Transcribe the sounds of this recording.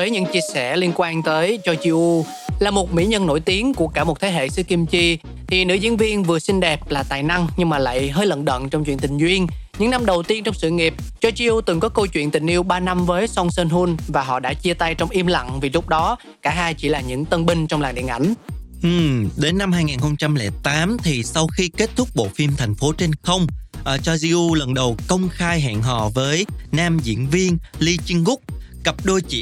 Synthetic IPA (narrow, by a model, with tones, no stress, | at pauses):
vəː˨˦jɲɨ̰˧˥ŋt͡ɕi˧əsɛ˧˩li˧ənkwaː˧nt̪əː˨˦jt͡ɕɔ˧t͡ɕi˧ʔu˧ | laː˨˩mo˨˩t̚mḭ˧˥ɲə˧nːo̰˧˩jt̪i˨˦əŋku˧˩əkaː˧˩mo˨˩t̚t̪ʰe˨˦ɦḛ˧˨sɨ̰˧˥ki˧mt͡ɕi˧ | t̪ʰi˨˩nɨ̰˧˥zḭ˧˥ənvi˧ənvɨ˨˩əsï˧ŋ̟ɗɛ˨˩p̚laː˨˩t̪a̰ː˨jna˧ŋɲɨ˧ŋmaː˨˩la̰ː˧˨jɦəː˧jlə̰˧˨nɗə̰˧˨nt͡ɕɔ˧wŋ͡mt͡ɕwḭ˧˨ənt̪ï˨˩ŋ̟zwi˧ənɲɨ̰˧˥ŋna˧mɗə˨˩wt̪i˧ənt͡ɕɔ˧wŋ͡msɨ̰˧˨ŋi˨˩əp̚t͡ɕɔ˧t͡ɕi˧ʔu˧t̪ɨ˨˩ŋkɔ˨˦kə˧wt͡ɕwḭ˧˨ənt̪ï˨˩ŋ̟ʔi˧əwɓaː˧na˧mvəː˨˦jsɔ˧wŋ͡msəː˧nɦu˧nvaː˨˩ɦɔ̰˧˨ɗa̰ː˧˥t͡ɕi˧ət̪a˧jt͡ɕɔ˧wŋ͡mʔi˧əmla̰˧˨ŋvi˨˩lʊ˦˥k͡p̚ɗɔ˨˦ | kaː˧˩ɦaː˧jt͡ɕḭ˧˩laː˨˩ɲɨ̰˧˥ŋt̪ə˧nɓï˧ŋ̟t͡ɕɔ˧wŋ͡mlaː˨˩ŋɗḭ˧˨əŋʔa̰˧˩jŋ̟ʔɨ˨˩ɗe˨˦nːa˧mhɦaː˧jŋaː˨˩nxə˧wŋ͡mt͡ɕa˧mlɛ˧˩t̪aː˨˦mt̪ʰi˨˩sa˧wxi˧ke˦˥t̚t̪ʰʊ˦˥k͡p̚ɓo̰˧˨fi˧mt̪ʰa˨˩jŋ̟fo˨˦t͡ɕe˧nxə˧wŋ͡mʔəː˧˩t͡ɕɔ˧zi˧ʔu˧lə˨˩nɗə˨˩wkə˧wŋ͡mxaː˧jɦa̰ː˧˨nɦɔ̰˧˨vəː˨˦jnaː˧mzḭ˧˥ənvi˧ənli˧t͡ɕi˧ŋɡʊ˦˥k͡p̚kə˨˩p̚ɗo˧jt͡ɕḭ˧˨